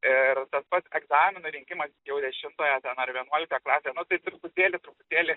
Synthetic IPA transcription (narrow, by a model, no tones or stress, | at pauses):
ɪrt̪ɐspɐt̪sɛɡzɑːmʲɪnʊɾʲɪŋʲkʲɪmɐsjɛʊd̪ʲɛʃʲɪnt̪oːjɛt̪ʲɛnɐrʋʲiɛnuɔlʲɪkt̪oːjɛklˠɑːsʲeːjɛnʊt̪ɐɪt̪ɾʊpʊt̪ʲeːlʲɪt̪ɾʊpʊt̪ʲeːlʲɪ